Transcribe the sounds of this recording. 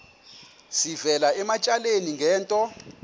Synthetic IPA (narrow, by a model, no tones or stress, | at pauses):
sivɛlaɛmat͡ʃʼaleniŋɡʱɛːntʼɔ